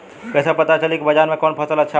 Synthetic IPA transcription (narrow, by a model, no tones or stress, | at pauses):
kəjsapət̪at͡ʃəlikibəd͡ʒaɾmekɔnpʰət̪ələtːʃʰa